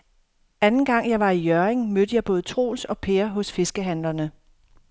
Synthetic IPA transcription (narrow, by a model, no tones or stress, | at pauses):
ænn̩ɡ̥ɑ̈ŋ̰jɑ̈ɪʋɑ̈ijœɐeŋmød̥əjɑ̈ɪb̥ɔ̽ːð̞̩ˠt͡sʰʁo̝̰ːlsɒ̽pʰeːɐɦɔ̽sfe̝sɡ̥əɦænlɐnə